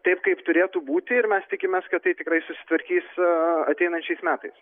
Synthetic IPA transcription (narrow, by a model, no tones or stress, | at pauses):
t̪ɐɪpkɐɪpt̪ʊɾʲeːt̪uːbuːt̪ʲɪɪɾmʲɛst̪ʲɪkʲɪmʲeskɐt̪t̪ːɐɪt̪ʲɪkɾɐɪsʊsʲɪ̥t̪ʋɐɾʲkʲiːsɐt̪ʲɛɪnɐnʲt͡ʃʲɛɪsmʲæːt̪ɐɪs